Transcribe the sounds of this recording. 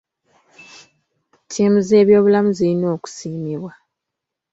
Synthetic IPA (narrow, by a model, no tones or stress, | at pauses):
tʰiːmuzeːβjo̞ːβulamuziino̞ːku̥siːmiβwa